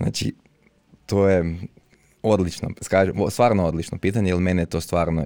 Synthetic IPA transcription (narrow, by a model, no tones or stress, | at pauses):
na̰ːt͡ʃḭ | t̪oje | o̞d̪lit͡ʃno̰skaːʒemost̪ʋaːɾnoo̞d̪lit͡ʃnopiːt̪aɲeilˠmenejet̪o̞ːst̪ʋaːɾno